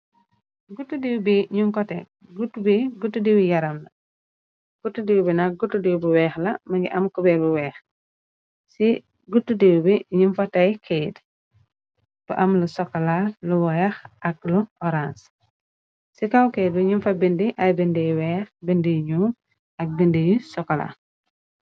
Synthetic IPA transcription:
ɡutːudiwbiɲuŋkɔtɛ | ɡutːubiɡutːudiwijɐɾɐmlɐ | ɡ̥utːudiwbinɐk̚ɡutːudiwbuwɛːxlɐmɐɡiʔɐmkubɛbuwɛːx | si | ɡutːudiwbiɲunfɐtɐjkʰejt | b̥uʔɐmlusɔkːɐlaluwɛxʔɐk̚luʔɔɾans | sikawkejt̚biɲimfɐbindiʔɐjbindɛjwɛːxbendijɲu | ɐk̚bindijisɔkːɐla̰

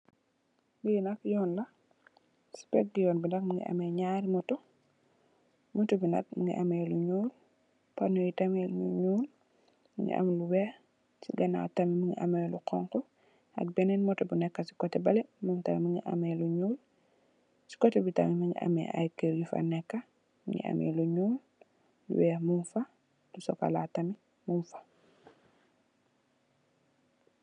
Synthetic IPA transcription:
biinɐkjɔːnlɐ | si̥pɛk̚ɡijɔnbindɐk̚muŋɡḭʔɐ̰mɛɲaɾmɔtɔ | mɔtɔbinɐ̰k̚muŋɡḭʔamɛluɲuːl | panɔjitɐmɛɲuɲul | miŋɡḭʔa̰mlubɛ | siɡɛna̰tɐmimuŋɡiʔamɛluqʰɔ̰ŋkɔ | ɐ̰k̚bɛnɛnmɔtɛbunɛkːɐsi̥kɔtɛbɐlɛmuŋtamimuɲiʔa̰mɛluɲuːl | si̥kɔtɛbitɐmimaɲḭʔa̰mɛ̰a̰jkɛjifa̰nɛkːa | mɲḭʔa̰mɛ̰luɲuːl | lṵwɛːmunfa | lusɔka̰la̰tɐmi | munfḁ

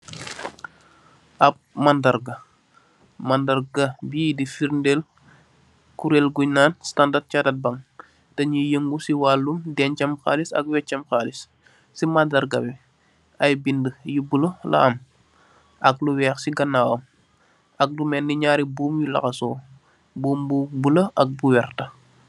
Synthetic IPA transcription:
ʔɐp̚mandɐɾɡɐ | mɐndɐɾɡɐbiːdifiɾndel | kuɾelɡunaːnstandat̚cadɐt̚bɐŋ | tɐɲijəŋɡusiwalːumdɛnt͡ʃɐmxa̰ːlisɐ̰k̚wɛt͡ʃɐmxaːlis | simandɐɾɡɐwi | ɐjbindəjibulɐlɐ̰ɐm | ʔɐk̚luwɛːxsiɡɐnːaːwɐm | ɐk̚dumɛnːiɲaːɾibuːmjulɐ̰xɐsɔː | buːmbubulɐʔɐk̚buwɛrtɐ

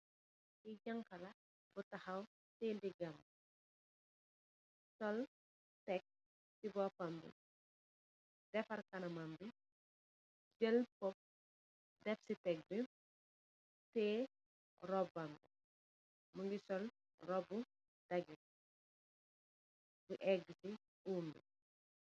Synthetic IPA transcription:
iɟɐŋkɐlɐ | butɐxɐw | tediɡɐm | sɔl | tɛk̚ | sibɔpɐmbḭ | dɛfɐrkɐnɐmɐmbi | d͡ʒəlpɔp̚ | dɛfsitɛk̚bi | tɛː | rɔbɐmbi | muŋɡisɔl | rɔbu | d̥ɐɡi | buʔɛɡisi | uːmbḭ

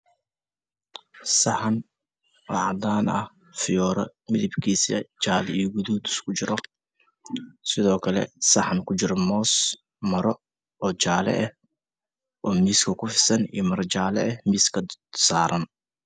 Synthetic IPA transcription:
sɐħɐn | wɔ̰ːʕɑd̪aːnɐ̰h | fɪjɔːɾɐmɪðɪbkʰiːsɐ̰t͡ʃaːlijɔɡʊðud̪ʊskʰʊt͡ʃɪɾɔ | sɪðɔːkʰɐlɛ̰sɐħɐnkʰʊt͡ʃɪɾɔmɔːs | mɐɾɔ | ɔːt͡ʃaːlɛ̰ʔɛh | ʔɔːmiːskʰɐkʰʊfɪsɐnḭjɔmɐɾt͡ʃaːlɛ̰ɛmiːskʰɐsaːɾɐn

